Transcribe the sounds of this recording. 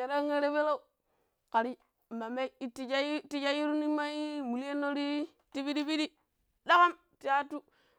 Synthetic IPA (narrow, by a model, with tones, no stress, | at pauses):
e˨ɾa˦ŋe˦ɾe˦be˦la˦u˨ | ka˨ɾi˦˨ | ma˨me˦i˦ti˨d͡ʒa˦ti˦d͡ʒa˦ji˦ɾu˦ni˦ma˦i˦mu˨li˦e˦nːo˦ɾi˦ | ti˦bi˦di˦bi˦di˦ | da˦ka˦m | ti˨ja˦tːu˦